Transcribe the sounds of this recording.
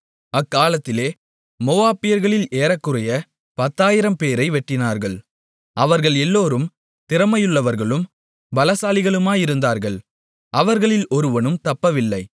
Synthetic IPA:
ɐkːaːlɐt̪ːɪleː | moːaːpɪjɐɾɣɐɭɪleːɾɐkːɯɾɐjɐ | pɐt̪ːaːjɪɾɐmpeːɾɐɪʋɛʈːɪnaːɾɣɐɭ | ʔɐʋɐɾɣɐɭɛlːoːɾɯm | t̪ɪɾɐmɐjɯɭːɐʋɐɾɣɐɭɯm | bɐlɐsaːlɪɣɐɭɯmaːjɪɾɯnd̪aːɾɣɐɭ | ʔɐʋɐɾɣɐɭɪlɔɾɯʋɐnɯmt̪ɐpːɐʋɪlːɐɪ

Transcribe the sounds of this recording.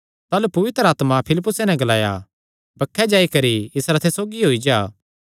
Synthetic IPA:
t̪aːlupɐʋɪt̪ɾaːt̪mapʰɪlɪpːʊsenɛ̃ɡɐlaːja̰ | bɐkʰːɛd͡ʒaːikɐɾiɪsɾat̪ʰesoːɡiɦoːid͡ʒaː

